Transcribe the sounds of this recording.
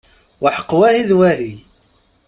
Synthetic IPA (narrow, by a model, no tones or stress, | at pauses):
wəħə̥qːwæhiðwæɦi